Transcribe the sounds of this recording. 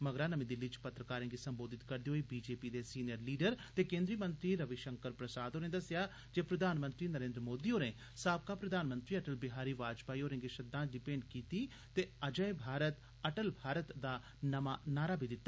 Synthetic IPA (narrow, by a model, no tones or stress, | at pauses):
məɡɾaːnəmĩːd̪ɪlːit͡ʃpət̪ɾəkaːɾẽːɡisəmboːd̪ɪt̪kəɾd̪iːɦoːibiːd͡ʒeːpiːd̪esiːnijəɾliːɖəɾt̪eːkẽːnd̪ɾiːmə̃nt̪ɾiːɾəʋɪʃəŋkəɾpɾəsaːd̪oːnẽːd̪əsɪjaː | d͡ʒepɾəd̪ʱaːnmə̃nt̪ɾiːnəɾẽːnd̪ɾəmoːd̪iːoːɾẽː | saːb̚kaːpɾəd̪ʱaːnmə̃nt̪ɾiːəʈəlbɪɦaːɾiːʋaːd͡ʒpaːioːɾẽːɡeʃəd̪ãːɖ̪ipẽːɳɖkiːt̪iː | t̪eːəd͡ʒəebʱaːɾət̪ | ɐʈəlbʱaːɾət̪d̪aː | nəmaːnaːɾaːbʱiːd̪ɪt̪ːaː